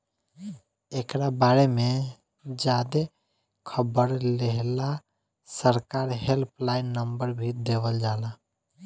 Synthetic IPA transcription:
ekɾabaɾemẽ | d͡ʒaːd̪e | kʰəbəɾleɦla | səɾkaːɾɦelpʰlaɪnːəmbəɾbʱid̪eːʋəld͡ʒaːla

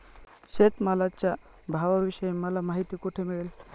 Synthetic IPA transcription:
ɕet̪malat͡ɕja | bʱaʋaʋiɕəjemːəlamaɦit̪iːkuʈʰemiɭel

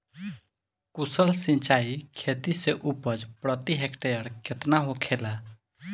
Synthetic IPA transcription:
kusəlsĩnt͡ʃaikʰet̪iseʔupəd͡ʒpɾət̪iɦekʈejəɾket̪naɦokʰela

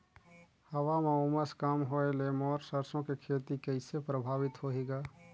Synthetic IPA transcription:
həwamẽʊməskaːmɦoelemɔːɾsəɾsõkekʰeːt̪ikəɪsepɾəbʱaːʋɪt̪ɦoɦeːɡaː

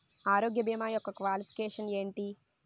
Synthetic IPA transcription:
aːɾoːɡjɐbiːmaːjɔkːɐkʋaːlipʰi̥keːʂɐneːɳʈi

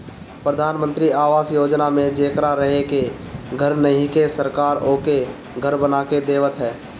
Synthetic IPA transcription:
pɾəd̪ʱaːnmə̃nt̪ɾiaːʋaːsjoːd͡ʒnamẽd͡ʒeːkɾaɾəɦeke | ɡʱəɾnəɦĩkesəɾkaːɾoːke | ɡʱəɾbənaːked̪eːʋət̪ɦɛː

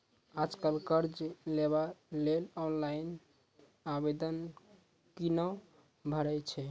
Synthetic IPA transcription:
ad͡ʒkalkəɾd͡ʒleβalelɔnlain | abed̪ən | kinə | bʱəɾɛt͡ʃʰɛ

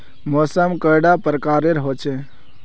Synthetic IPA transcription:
mɔsəmkəjɽapɾəkaɾeɾɦot͡ʃʰɛ

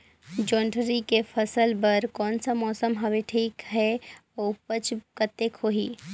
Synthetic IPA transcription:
d͡ʒɔːɳɖʱɾikefʰəsəlbəɾkɔːnsamɔːsəmɦɐʋeʈʰiːkɦɛopət͡ʃkət̪ːekʰoːɦiː

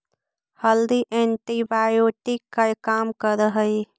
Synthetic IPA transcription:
həld̪iʔẽɳʈibaːjoːʈɪkːakaːmkəɾəɦəi

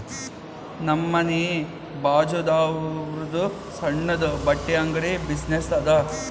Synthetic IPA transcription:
nɐmːɐneː | baːd͡ʒod̪aːɾud̪u | sɐɳːɐd̪ɐbɐʈːejaŋɡɐɾebisnesɐd̪ɐ

